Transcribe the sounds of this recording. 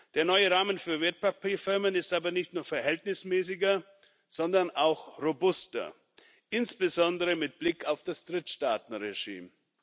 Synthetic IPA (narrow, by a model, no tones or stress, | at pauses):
d̥eːɐnɔʏəʁaːmənfyːɐveːɐt̚pʰapiːfɪɐmənɪstʔaːbɐnɪçtnuːɐfɛɐɦɛltnɪsmɛːsɪɡɐ | z̥ɔndɐnaʊxʁobʊstɐ̰ | ʔɪnsb̥əzɔndəʁəmɪt̚b̥lɪkʰaʊfd̥asd̥ʁɪtʃtaːtn̩ʁeʒḭːm